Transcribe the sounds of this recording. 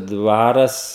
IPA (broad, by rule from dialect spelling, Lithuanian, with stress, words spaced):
ˈdʋɑːrɐs